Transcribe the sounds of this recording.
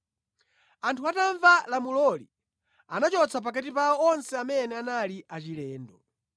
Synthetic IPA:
antʰuataɱvalamulɔlḭ | anat͡ʃɔt͡sʰap̬akatipaɔɔnsɛamɛnɛanaliat͡ʃilɛːndɔ

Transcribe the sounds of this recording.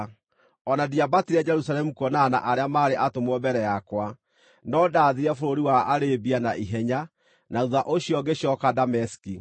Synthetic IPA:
ɔnadiabatiɾɛd͡ʒɛɾusalɛmukɔnaːna̰ʔaɾeamaːɾeʔatomwɔbɛɾɛjakwa | nɔdaːðiɾɛfoɾoɾiwaaɾebianaʔiɦɛɲa | nauðaʔoɕiɔɡeɕjɔkadamɛsi̥ki

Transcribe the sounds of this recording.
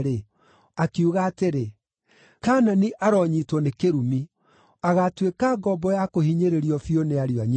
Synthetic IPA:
ɾe | akiuɣaːteɾe | kaːnaniʔaɾɔːɲitwɔnekeɾumi | aɣatwekaɡɔbɔjakohiɲeɾeɾiɔfioneaɾiwaɲ

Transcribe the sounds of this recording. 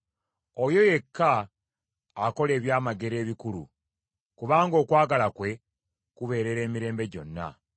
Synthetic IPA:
ojo̞je̞kʰːaː | ko̞le̞ːβjaːmaɡe̞ɾe̞ːβikulṵ | kuβaːŋɡo̞ːkwaːɡalakwe̞ | kuβe̞ːɾe̞ɾe̞ːmiɾe̞ːmbe̞ɟo̞̰nːa̰

